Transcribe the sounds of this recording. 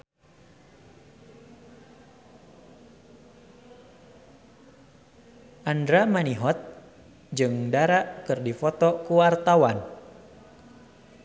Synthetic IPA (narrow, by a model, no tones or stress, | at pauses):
ʔandɾamaniɦɔt̪̚ | d͡ʒɨŋdaɾaʔkɨrdifɔt̪ɔkuwart̪awan